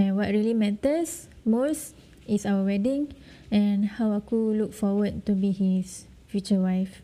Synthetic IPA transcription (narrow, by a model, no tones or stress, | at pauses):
ɛ̃nwɔt̚ɹilimɛ̃təs | mos | isawəwɛdĩŋ | ɛ̃nhawakuluk̚fɔwəd̚tubihis | fjut͡ʃəwajf